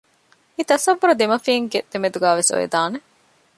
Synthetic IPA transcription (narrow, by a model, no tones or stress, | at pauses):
it̪ɐsɐʋːuɾɐd̪emɐfiŋɡed̪̥emed̪uɡæːʋeso̰jḛd̪aːne